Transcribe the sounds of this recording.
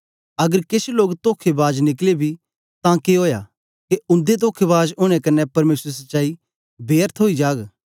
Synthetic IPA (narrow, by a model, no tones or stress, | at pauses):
ɐɡəɾkesʰloːɡt̪oːkʰːebaːd͡ʒnɪklebʱi | t̪ãkeɦoːja̰ | keʊ̃nd̪et̪̬oːkʰːebaːd͡ʒʊːɽ̃ɛ̃kɐnːɛpɐɾmeːsɾes̬ɐtːt͡ʃaːi | beːəɾt̪ʰɦoːid͡ʒaːɡ